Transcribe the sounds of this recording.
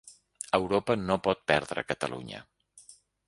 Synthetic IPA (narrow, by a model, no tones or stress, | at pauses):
əwɾopənopɔt̪̚pɛɾðɾə̰kət̪əlṵɲə̰